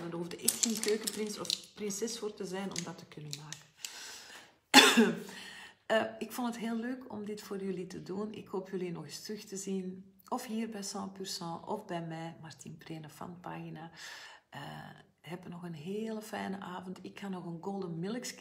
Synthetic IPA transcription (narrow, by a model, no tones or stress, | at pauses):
dəɦuvdəʔɛxtxeːnkøːkəprɪnsɔfprɪnsɛsfoːrtəzɛjnɔmdɑtə̥kʏnənmaːkən | əɪkfɔntətɦeːlːøːkɔ̰mdɪtfoːrjʏlitədunɪ̰kɦoːpjʏlinɔɣɪstrʏxtəzin | ɔfɦiːrbɛjsɑ̃ːpyrsɑ̃ːʔɔ̰fbɛjmɛːmartinpreːnəfɑ̰npa̰ːɣinaʔə̰ | ɦɛpənɔɣənɦeːləfɛjnəʔaːvəntɪkxanɔɣənɡolˠdənmɪləks